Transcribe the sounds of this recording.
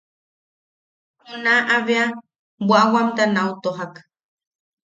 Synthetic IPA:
hʊnaʔaβea | bʷawamt̪anawt̪oɦak

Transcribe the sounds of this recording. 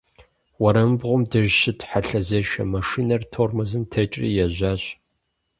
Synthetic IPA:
wɐɾɐmbʁʷʊmdɨʒʃɪtʰħaɬɐzɐʃɐ̰mɐʂinɐrtʰormɐzɨmtʰɐt͡ʃʼrḭːjɛʑʷaːɕʼ

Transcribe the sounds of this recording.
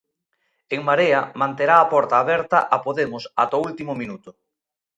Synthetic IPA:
eŋmaɾeɐmãnt̪eɾaːpɔɾt̪aːβɛɾt̪aʔapoðemʊsa̰t̪oult̪imʊmĩnut̪ʊ

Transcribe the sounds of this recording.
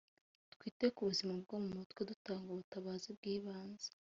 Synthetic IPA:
tkwiːtekuβuzimab̚ɡomumutkwedutaːŋɡoβutaβaːzibɡiːβaːnze̥

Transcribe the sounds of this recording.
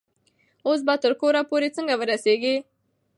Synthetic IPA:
os̬bat̪əɾkoːɾapoːɾet͡səŋɡaʋəɾaseːɡi

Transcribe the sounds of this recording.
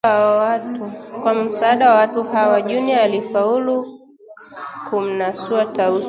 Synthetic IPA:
kwam̩saːɗawawatuhawaʄuniaalifaulu | kum̩nasuataus

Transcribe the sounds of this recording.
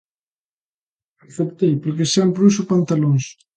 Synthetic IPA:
akθept̪ejpoɾkeseampɾusupant̪aloŋs

